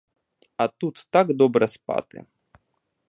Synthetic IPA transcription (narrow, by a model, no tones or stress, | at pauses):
ɐt̪ut̪ːaɡd̪ɔbɾɛspɑ̰t̪ɪ̰